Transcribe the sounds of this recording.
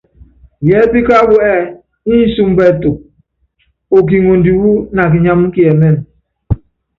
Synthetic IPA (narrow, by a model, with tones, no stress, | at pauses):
jɛ˨˦bi˦ka˦bu˦ɛ˦˨ | i˦n̩˦su˦m˦bɛ˦˨tu˨k̚ | o˨k̬i˨ŋo˨n˨di˨wu˦na˨k̬i˨ɲa˦m˦ki˦ɛ˨mɛ˦˨n